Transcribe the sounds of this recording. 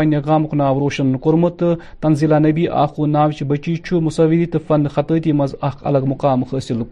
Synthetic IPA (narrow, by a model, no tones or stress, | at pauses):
nʲɐɡaːmkunaːʋɾoːʃɐnːkuɾmut̪ɨ | t̪ɐnzilaːnɐbiːʔa̰ːxunaːʋt͡ʃibɐt͡ʃiːt͡ʃʰumusɐʋilit̪ɨfɐnxɐt̪ət̪ʲimɐzɐkʰɐ̰lɐɡmuqaːmxəsilk